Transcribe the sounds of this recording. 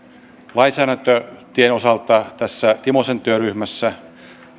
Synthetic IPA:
lɑinsæːɾænt̪øt̪ienosɑlt̪ɑt̪æsːæt̪imose̞nt̪yøryhmæsːæ

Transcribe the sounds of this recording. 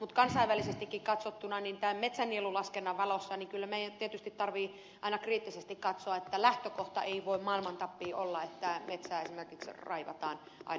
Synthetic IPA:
mut̪kɑnsɑiʋælisest̪ikːikkɑt̪sot̪ːunɑnint̪æːmmet̪sænːielulɑskenːɑʋɑlosːɑniŋkylːæmeijænt̪iet̪yst̪it̪t̪ɑrʋiː | ʔɑinɑkriːt̪ːisest̪ikkɑt̪soɑet̪ːælæht̪økoht̪ɑ̰ʔeiʋoimmɑilmɑnt̪ɑpːiːʔolːɑet̪ːæmet̪sæːesimerkiksrɑ̰iʋɑ̰t̪ɑːn | ʔɑ̰i

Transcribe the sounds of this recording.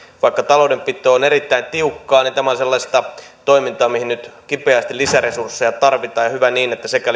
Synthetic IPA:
ʋɑikːɑt̪ɑloudempit̪ːˑøːoneɾit̪ːæint̪iukːɑːnint̪æmæonselːɑst̪ɑt̪oimint̪ɑːmihinyt̪kipeæst̪ilisæresursːejɑt̪ɑrʋit̪ɑːjɑhyʋæniːnet̪ːæsekæ

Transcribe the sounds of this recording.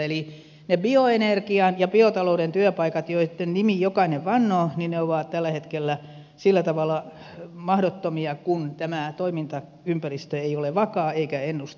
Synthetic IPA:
eli | nebioenerkiɑnjɑbiot̪ɑloudent̪yøpɑikɑt̪joisit̪ːennimijokɑineʋʋɑnːoːninneoʋɑːˑt̪t̪ælːæhet̪kelːæ | silːæt̪ɑʋɑlːˑɑ | mɑhdot̪ːomiɑkunt̪æmæt̪oimint̪ɑ | ympærist̪øeioleʋɑkɑːeikæenːust̪

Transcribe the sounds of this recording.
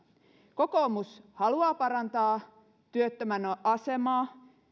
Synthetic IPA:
ko̞ko̞ːmushɑluɑːpɑɾɑnt̪ɑː | t̪yøt̪ːømænʔɑse̞mɑː

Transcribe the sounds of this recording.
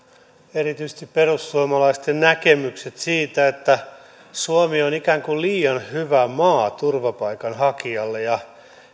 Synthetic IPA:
eɾit̪yist̪ipperusːuomɑlɑist̪ennækemykset̪siːt̪æet̪ːæ | suomionikæːŋkulliːɑnhyʋæmɑːt̪urʋɑpɑikɑnhɑkiɑlːejɑ

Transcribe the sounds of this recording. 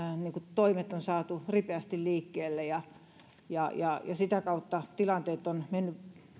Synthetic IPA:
niːŋkut̪oimet̪ːˑonsɑːt̪uripeæst̪illiːkːeːlːejɑ | jɑjɑjɑ̰sit̪ækɑut̪ːɑt̪ilɑnt̪eːt̪ːonmenːy

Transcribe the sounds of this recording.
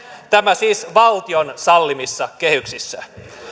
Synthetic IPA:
t̪æmæsiːsʋɑlt̪ionsɑlːimisːɑke̞hyksisːæ̰

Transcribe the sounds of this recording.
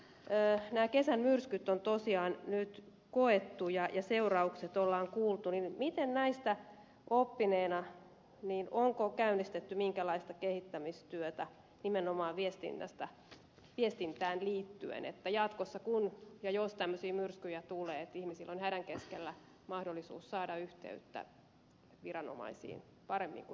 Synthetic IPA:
øːnæːkesænmyrskyt̪ːont̪osiɑːnnyt̪ | koet̪ːujɑjɑseurɑukset̪olːɑːŋkuːlt̪uninmit̪ennæist̪æ | opːineːnɑ | niːnoŋkokæynːˑist̪et̪ːymiŋkælɑist̪ɑkehit̪ːæmist̪yøt̪æ | nimenomɑːʋʋiest̪ḭnːæ̰st̪ɑ | ʋiest̪int̪æːnliːt̪ːy̰ḛnḛt̪ːæjɑt̪kosːɑkunjɑjost̪æmːøsiːmyrskyjæt̪uleːet̪ihmisilːonhædæŋkeskelːæ | mɑhdolːisṵːssɑːdɑyht̪ḛyt̪ːæ̰ | ʋirɑno̰mɑ̰isḭːn | pɑɾemːḭŋku

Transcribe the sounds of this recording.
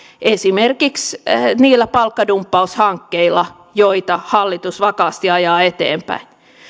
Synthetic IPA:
ʔesimerkiksniːlːæpɑlkːɑdumpːɑushɑŋkːeilːˑɑ | joit̪ɑhɑlːit̪usʋɑkɑːst̪iɑjɑːet̪ḛːmpæ̰in

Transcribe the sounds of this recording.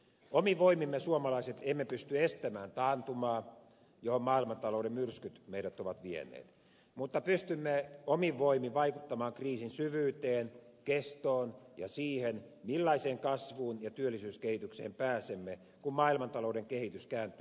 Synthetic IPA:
omiʋoimimːesuomɑlɑiset̪emːepyst̪yest̪æmæːnt̪ɑːnt̪umɑː | johommɑːilmɑnt̪ɑloudemmyrskyt̪meiɾæt̪oʋɑt̪ʋiḛnˑḛːt̪ | mut̪ːɑpyst̪ymːeomiʋʋoimiʋɑikut̪ːɑmɑːŋkriːsinsyʋyːt̪eːnkest̪oːnjɑ̰siːhenmilːɑiseːŋkɑsʋuːnjɑt̪yølːisyːskehit̪yksḛːmpæːsemːe | kummɑːilmɑnt̪ɑlouɾeŋkehit̪yskæːnt̪y

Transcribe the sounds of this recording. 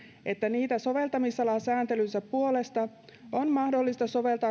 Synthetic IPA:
e̞t̪ːæniːt̪æso̞ʋe̞lt̪ɑmisːɑlɑsæːnt̪elynsæppuo̞le̞st̪ɑ | onmɑhdo̞lːist̪ɑso̞ʋe̞lt̪ɑː

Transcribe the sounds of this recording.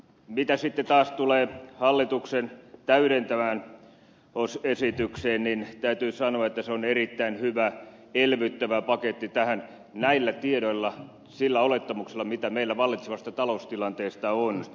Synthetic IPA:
mit̪æsit̪ːet̪ɑːst̪uleːhɑlːit̪uksent̪æyɾent̪æmæːn | osesit̪ykseːnnint̪æyt̪yːsɑnoɑet̪ːæseonerit̪ːæinhyʋæ | elʋyt̪ːæʋæpɑket̪ːit̪æhæn | næilːæt̪iedoilːɑ | silːæolet̪ːɑmukselːɑmit̪æmeilːæʋɑlːit̪seʋɑst̪ɑt̪ɑloust̪ilɑnt̪eːst̪ɑon

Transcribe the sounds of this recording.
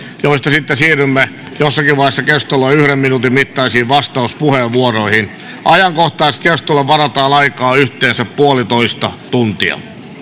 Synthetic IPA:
joist̪ɑsit̪ːesiːrymːe | josːɑkiʋʋɑiesːɑkest̪olːoiyhɾemminut̪immit̪ːɑisiːʋʋɑst̪ɑuspuheʋʋuoroihin | ʔɑjɑŋkoht̪ɑist̪kest̪olːeʋʋɑrɑt̪ɑːnɑikɑːyht̪eːnsæppuolit̪oist̪ɑt̪unt̪iɑ̰

